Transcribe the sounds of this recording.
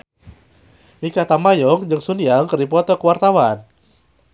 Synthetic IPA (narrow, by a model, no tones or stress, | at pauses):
mikat̪amajɔŋd͡ʒɨŋsunijaŋkəɾip̬ɔt̪ɔkəwart̪awan